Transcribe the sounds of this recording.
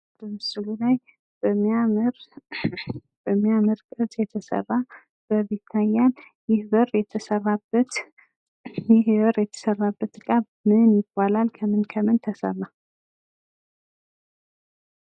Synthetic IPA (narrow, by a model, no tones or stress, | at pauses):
b̥əmɨsɨlulaj | b̥əmːiamɨɾ | b̥əmːijamɨɾkʼɨt̪ʼjɛt̪ʰəsə̰rːa | b̥əβet̪ʰːajːan | jɪhbərjɛt̪ʰəsərːabət̪ | jɪhbərjɛt̪ʰə̥sərːabːət̪kʼaβ | mɨnjɪbːalalkʰəmɨnkʰəmɨnt̪ʰəsə̰mːa